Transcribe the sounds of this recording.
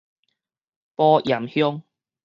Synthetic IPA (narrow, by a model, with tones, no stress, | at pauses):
pɔː˧jɐ˨˩mhjʊ˥ŋ